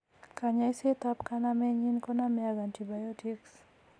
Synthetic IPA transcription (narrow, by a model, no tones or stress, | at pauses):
kaɲaiset̪apkanamɛɲinkɔnamɛazantibajɔtiks